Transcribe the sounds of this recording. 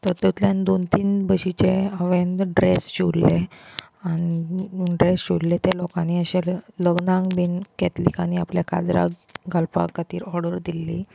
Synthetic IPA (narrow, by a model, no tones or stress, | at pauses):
t̪əɾt̪ət̪ljand̪ont̪iːnbəɕit͡ɕeəʋend̪ɖɾesɕuɽle | aniɖɾesɕuɽlet̪jelokaniːəɕeləɡnãŋɡbinkɛt̪likañiapljaka̰d͡z̪ɾa̰ɡʱalpa̰kat̪iːɾɔɾɽəɾd̪ilːi